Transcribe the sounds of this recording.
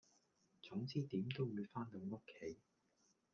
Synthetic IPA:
t͡sʊ˨˥ŋt͡siː˥t̪iː˨˥mt̪o˥wwu˨˧jfaː˥nlo˨˧ŋʊ˥kʰːe˨˥j

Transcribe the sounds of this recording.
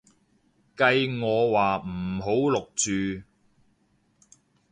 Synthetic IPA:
kɐ˧jŋɔː˨˧waː˨˩m̩˨˩ɦo˨˥wlʊ˨k̚t͡ʃyː˨˧

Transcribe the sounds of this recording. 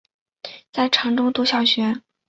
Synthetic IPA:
t͡sa˥˩ɪʈ͡ʂʰɑ˧˥ŋʈ͡ʂʊ˥ŋt̪u˧˥ɕjɑ˨˩ʊɕɥɛ˧˥

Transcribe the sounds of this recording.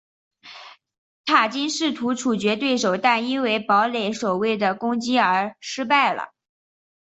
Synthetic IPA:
t̪ʰa˨˩t͡ɕi˥nʂɻ̩˥˩t̪ʰu˧˥ʈ͡ʂʰu˨˩t͡ɕɥɛ˧˥t̪we˥˩ɪʂo˨˩ʊt̪a˥˩ni˥nwe˧˥ɪpɑ˧˥ʊle˧˥ɪswɔ˨˩we˥˩ɪd̪ə˩kʊ˥ŋt͡ɕi˥ə˞˧˥ʂɻ̩˥pa˥˩ɪlə̰˩

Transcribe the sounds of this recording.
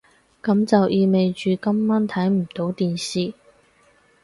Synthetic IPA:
kɐ˨˥mt͡sɐ˨wʔiː˧me˨jt͡ʃyː˨kɐ˥mːaː˥nt̪ʰɐ˨˥jm̩˨˩t̪o˨˧˥wt̪iː˨nsiː˨˩

